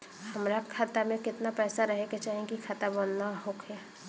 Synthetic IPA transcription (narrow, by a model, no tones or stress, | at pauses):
hɐmɾakʰat̪amẽkɪt̪napɛːsaɾɐɦeket͡ʃaːɦẽkikʰaːt̪abənːaɦoːkʰɛ